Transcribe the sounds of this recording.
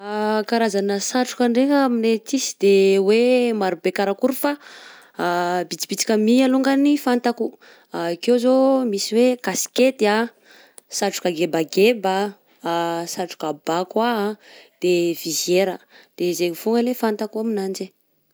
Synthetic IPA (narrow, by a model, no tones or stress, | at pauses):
akaɾazanəsaʈ͡ʂu̥kəɳɖ͡ʐekaminet͡sisi̥d̪ewemaɾubekaɾakuɾufa | bit͡si̥pit͡si̥kəmialuŋɡanifant̪aku | akewzomisiwekasi̥ket̪ia | saʈ͡ʂu̥kaɡebaɡeba | saʈ͡ʂu̥kabakwad̪̥ev̥izjeɾəd̪̥ezeŋifuŋɡəlefant̪akuaminand͡ʒe